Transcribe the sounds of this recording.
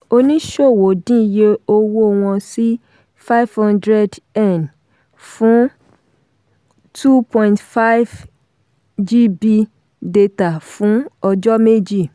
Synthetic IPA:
o˧nĩ˦ʃo˦˨wo˨dĩ˦˨je˦o˧wo˦˨w̃ɔ̃˧si˦ | fa˦i˦vhɔ̃˦ndɾɛ˦dɛ˦˨n | fũ˦ | tʰu˦pɔ̃˧ĩ˨ntfa˦i˦v | d͡ʒi˦bi˧ | de˧ta˨fũ˨˦ɔ˧d͡ʒɔ˦me˦d͡ʒi˦˨

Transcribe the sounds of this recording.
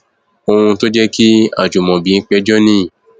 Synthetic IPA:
o˧ũ˧to˦d͡ʒɛ˦ki˦a̰˦˨d͡ʒu˨mɔ̃˨bi˨˦n̩˦k͡pɛ˦d͡ʒɔ˦nĩ˦˨

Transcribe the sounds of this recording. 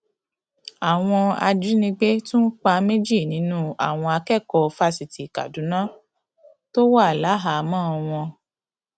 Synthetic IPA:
a˨w̃ɔ̃˧a̰˧d͡ʒi˦nĩ˧ɡ͡be˦tũ˦k͡pa˧me˦d͡ʒi˦˨nĩ˨˦nũ˦a̰˨w̃ɔ̃˧a˧kɛ˦˨kɔ˧fa˧si˨ti˨ka̰˨dũ˨˦nãː˦ | to˦wa˦˨la˨˦ɦa˨˦mãː˦˧w̃ɔ̃˧

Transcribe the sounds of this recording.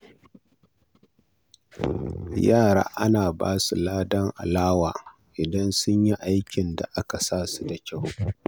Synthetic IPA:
jaː˦˨ɽa̰ː˦ʔa̰˦naː˨ba̰ː˦su˨laː˦dɐ˦ŋʔa̰˨laː˦waː˨ | ʔɪ˨dɐ˦nsʊ˦ɲji˦ʔa˦jkʲɪ˨nda˨ʔa˦ka˨saː˦˨su˦da˨kʲa˦˨w

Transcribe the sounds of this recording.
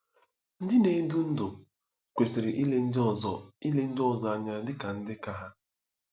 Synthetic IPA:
n̩˦dɪ˦ne˨˦i˦du˦n̩˦dʊ˨ | kʷe˨se˨ɾɪ˨ʔi˦le˦n̩˦dɔ˦˨zɔ˨i˦le˦n̩˦dɔ˦˨zɔ˦a˨ɲa˨dɪ˦ka˨n̩˦dɪ˦ka˦ɦa˦

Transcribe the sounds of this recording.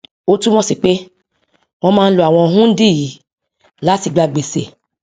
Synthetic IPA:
o˦tũ˦w̃ɔ̃˦si˨k͡pe˦ | w̃ɔ̃˧mãː˧n̩˦lo˨a˨w̃ɔ̃˧˦ɦũ˦n̩˦di˦˨ji˨˦ | la˨˦ti˨ɡ͡ba˧ɡ͡be˨se˨

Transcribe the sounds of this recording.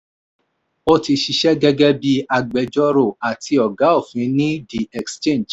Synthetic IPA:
o˦ti˧ʃi˧ʃɛ˦ɡɛ˦ɡɛ˦bi˧a˧ɡ͡bɛ˨˦d͡ʒɔ˦ɾo˦˨a˨tʰi˧ɔ˨ɡa˨˦o˦˨fĩ˨˦nĩ˦di˨ɛ˨kst͡ʃẽ˦˨nd͡ʒ

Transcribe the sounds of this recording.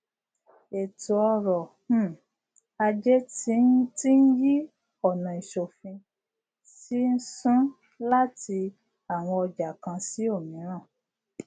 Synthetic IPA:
e˨tu˨ɔ˧ɾɔ̃˨˦˨ | a˧d͡ʒɛ˦ti˦ti˦n̩˦ji˦ | ɔ˨nã˨i˨ʃo˨fĩ˧ | si˦n̩˦sũ˦ | la˦ti˧ | a˨w̃ɔ̃˧ɔ˧d͡ʒa˨kã˧si˦o˦˨mĩ˨˦ɾ̃ã˦˨

